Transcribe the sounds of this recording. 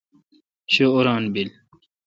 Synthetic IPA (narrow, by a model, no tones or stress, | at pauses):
ɕooɾɑːnbil